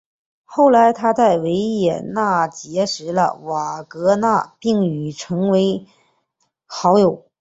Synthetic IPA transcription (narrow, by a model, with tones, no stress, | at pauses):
xo˥˩ʊla˧˥ɪt̪ʰa˥t͡sa˥˩ɪwe˧˥ɪjɛ˨˩na˥˩t͡ɕjɛ˧˥ʂɻ̩˧˥lə̰˧wa˨˩kɤ˧˥na˥˩˧pi˥˩ŋy˨˩ʈ͡ʂʰɤ˧˥ŋwe˧˥ɪ | xɑ˧˥ʊjo˨˩˦ʊ